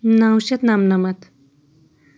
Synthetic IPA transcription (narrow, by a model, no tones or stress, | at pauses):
nawʃɐt̪namnɐmɐt̪